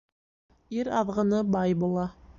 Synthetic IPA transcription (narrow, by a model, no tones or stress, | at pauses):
iɾɑðʁɤ̆nɤbɑjbulˠɑ